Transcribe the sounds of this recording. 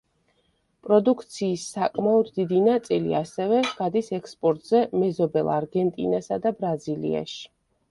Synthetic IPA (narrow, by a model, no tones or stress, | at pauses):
pʼɾɔd̪ukʰt̪sʰiːsːakʼmaɔd̪ːid̪inat̪sʼilḭasɛvɛɡ̥ad̪isɛkspʼɔɾt̪ʼzɛmɛzɔbɛlˠaɾɡɛnt̪ʼḭnasad̪abɾazilḭa̰ʃi̥